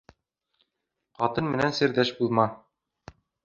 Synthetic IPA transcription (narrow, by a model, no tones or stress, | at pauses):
qɒt̪ɤnmɘ̆nænsɘ̆ɾd̪æʃbulˠmɑ